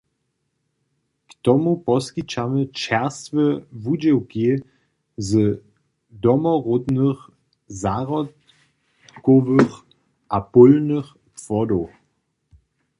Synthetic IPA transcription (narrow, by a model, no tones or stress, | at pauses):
kt̪ɔmupɔskit͡ʃamət͡ʃɛʁst̪vəvud͡ʑɛwki | zə | dɔmɔʁod̪nəx | zaʁɔt | koʋəx | ʔapʊlnəx | pfɔdo